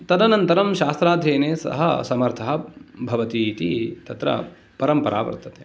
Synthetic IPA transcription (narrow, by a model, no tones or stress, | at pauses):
t̪ɐd̪ɐnɐnt̪ɐɾɐmʃaːst̪ɾaːd̪ʱjeːneːsɐ̰ɦɐ̰sɐmɐɾt̪ʰɐɦɐbʱɐʋɐt̪it̪it̪ɐt̪ɾɐ̰ | pɐɾɐmpɐɾʔa̰ːʋɐ̰ɾt̪ɐt̪e̥ː